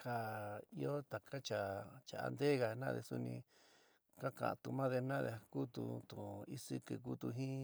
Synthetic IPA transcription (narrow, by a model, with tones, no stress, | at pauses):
ha˨i˦o˦t̪a˨kʰa˦t͡ʃa˨t͡ʃa˨a̰˧nd̪e˦ɣa˨nã̰˦˧ðḛ˧su˧nĩ˧ | ka˦kã̰˨ã̰˨t̪u˧mã˦ðe˧nã˦ðḛ˧ku˦t̪ṵ˧t̪ũ˨i˦sɨ˧kɨ˧k̬u˦t̪u˧ɦĩ˦